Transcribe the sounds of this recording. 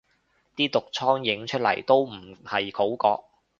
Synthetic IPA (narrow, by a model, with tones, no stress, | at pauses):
t̪iː˥t̪ʊ˨k̚t͡sʰɔː˥ŋjɪ˨˥ŋt͡ʃʰɵ˥t̚lɐ̰˨˩jt̪o˥wm̩˨˩hɐ˨jkʰo˨˥wkɔː˧k̚